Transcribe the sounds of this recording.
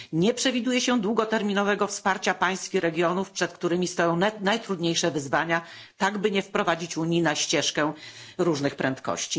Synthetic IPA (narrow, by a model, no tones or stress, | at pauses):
ɲɛpʂɛvʲid̪ujɛɕɛd̪wuɡɔt̪ɛɾmʲinɔvɛɡɔfspaɾt͡ɕapaj̃skʲixɾɛɡʲjɔnufpʂɛt̪kt̪uɾɘmʲist̪ɔjɔ̃w̃najt̪ɾud̪ɲejʂɛvɘzvaɲa | t̪aɡbɘɲɛfpɾɔvad͡ʑit͡ɕuɲinaɕt͡ɕɛʂkɛɾuʐnɘxpɾɛnt̪kɔ̰ɕt͡ɕi